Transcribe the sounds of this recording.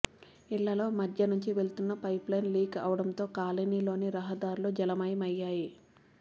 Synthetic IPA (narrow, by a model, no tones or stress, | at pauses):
iɭːɐlo̞ːmɐd̪ʱjɐnuɲt͡ʃiʋe̞ɭt̪unːɐpɐjplɐjnliːkɐ̰ːʋɐɽɐmt̪o̞ːkaːleniːlo̞ːniɾɐɦɐd̪aːɾulod͡ʒɐlɐmɐjɐmɐjːaːji